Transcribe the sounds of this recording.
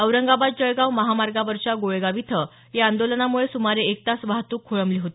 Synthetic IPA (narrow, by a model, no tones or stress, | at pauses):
əwɾəŋɡabad̪̚d͡ʑəɭɡawməɦamaɾɡaʋəɾt͡ɕaɡoɭeɡaʋit̪ʰə | jeãnd̪olənamuɭesumaɾeːk̚t̪asʋaɦt̪uːkʰːoɭəmliːɦot̪i̥